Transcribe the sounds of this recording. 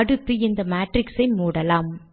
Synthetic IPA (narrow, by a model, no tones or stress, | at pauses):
ɐɽɯt̪ːɯɪnd̪ɐmaːʈrɪksɐɪmuːɽɐlaːm